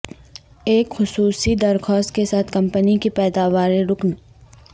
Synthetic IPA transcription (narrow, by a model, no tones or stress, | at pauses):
eːkxʊsuːsid̪ɐɾxɔːst̪kesaːt̪ʰkɐ̃mpənikipɛːd̪aːʋaːɾẽɾʊkn